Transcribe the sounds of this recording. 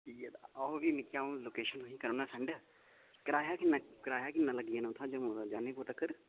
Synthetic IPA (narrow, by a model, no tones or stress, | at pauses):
ijat̪ɔoʋiːmɪkjaːõːloːkeːʃənoĩːkəɾoːnaːsɛ̃ɳɖ | kəɾaːjaːkɪnːaːkəɾaːjaːkɪnːãːləɡiãːnʊt̪ʰːãːd͡ʒəmõd͡ʒaːnẽːpoːt̪əkəɾ